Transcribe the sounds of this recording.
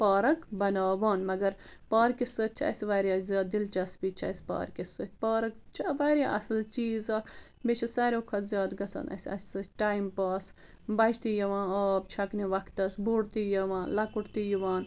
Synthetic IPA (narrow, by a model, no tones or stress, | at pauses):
paːɾɐkbɐnaːʋaːnmɐɡɐɾ | paːɾkisɨt͡ʃʰɐ̰sʋaːɾaːzʲjaːd̪ilt͡ʃɐsbit͡ʃʰɐ̰ːsʲpa̰ːɾkisɨt̪ʲpaːɾɐk̚t͡ʃʰɐʋaːɾaʔɐsɐlt͡ʃiːzɐːk | bet͡ʃʰɐsaːɾʲoːkʰɐt̪zjaːd̪ɡɐsɐ̰ːnɐ̰sʲɐ̰sʲsɐsʈaːimpaːs | bɐd͡ʒt̪ijɐʋãːnoːbt͡ʃʰɐkniʋɐkʰt̪ɐsbuɽt̪ijɐʋaːnlɐkuʈt̪ijiʋaːn